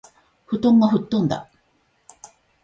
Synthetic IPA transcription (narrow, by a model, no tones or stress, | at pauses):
ɸɯ̟t̪õ̞ŋɡaɸɯ̟t̪ːõnd̪a̰